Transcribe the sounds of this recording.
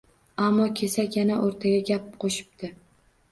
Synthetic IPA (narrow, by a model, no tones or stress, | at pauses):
amːɒkʲʰe̞sakʲjanaʔoɾt̪ʰaɡʲaɡʲapɪpqʰoʃɪ̥b̚t̪ɪ